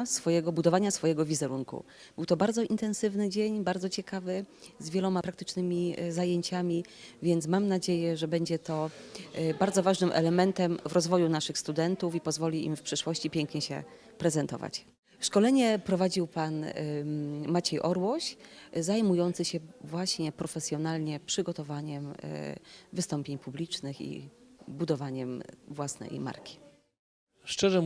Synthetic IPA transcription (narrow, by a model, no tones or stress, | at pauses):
sfɔjɛɡɔbud̪ɔvaɲasfɔjɛɡɔvʲizɛɾuŋkṵ | b̥ɘwt̪ɔbaɾdzɔint̪ɛnsɘvnɘd͡ʑeɲbaɾd̪ɔt͡ɕɛkavɘzvʲjɛlɔmapɾakt̪ɘ̥t͡ʂnɘmʲizajeɲt͡ɕamʲi | vʲjɛnt̪smamnad͡ʑejɛʐɛbɛɲd͡ʑɛt̪ɔ | baɾd̪zɔvaʐnɘmʔɛ̰lɛmɛnt̪ɛmvɾɔzvɔjunaʂɘxst̪ud̪ɛnt̪ufipɔzvɔlʲiḭmfpʂɘʂwɔɕt͡ɕipʲjɛŋkɲɛɕɛ̰ | pɾɛzɛnt̪ɔ̰va̰t͡ɕ | ʂkɔlɛɲɛpɾɔvad͡ʑiwpan | mat͡ɕɛjʔɔɾwɔɕzajmujɔnt̪sɘɕɛvwaɕɲɛpɾɔfɛsʲjɔnalɲɛpʂɘɡɔt̪ɔvaɲɛm̰ | vɘst̪ɔmpʲjeɲpublʲit͡ʂnɘxḭbud̪ɔvaɲɛmvwasnɛ̰jma̰ɾkʲi̥ | ʂt͡ʂɛʐɛ